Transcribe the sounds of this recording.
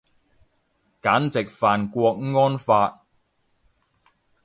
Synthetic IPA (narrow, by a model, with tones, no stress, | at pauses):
kaː˨˥nt͡sɪ˨k̚faː˨nkʷɔː˧k̚ŋɔː˥nfaː˧t̚